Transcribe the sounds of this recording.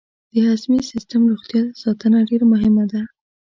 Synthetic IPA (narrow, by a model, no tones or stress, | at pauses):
d̪̥əhazmisɪst̪əmɾoɣt̪jɑsɑt̪ənaɖeɾamʊɦɪmad̪a